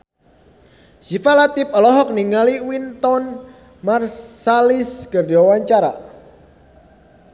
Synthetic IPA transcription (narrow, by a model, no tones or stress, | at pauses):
ʃifalat̪ɪp̚ɔlɔɦɔk̚niŋaliwint̪ɔn | marsaliskərd͡ʒawaɲt͡ʃaɾa̰